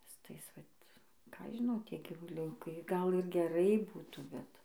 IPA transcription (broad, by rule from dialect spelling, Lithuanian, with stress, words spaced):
sʊ ˈtɐɪs ˈʋɐt kɑː ˈɐʃ ʒʲɪˈnɐʊ ˈtʲiɛ ɡʲiːʋʊˈlʲʊkɐɪ ɡɐlˠ ɪr ɡʲɛˈrɐɪ ˈbuːtuː ˈbʲɛt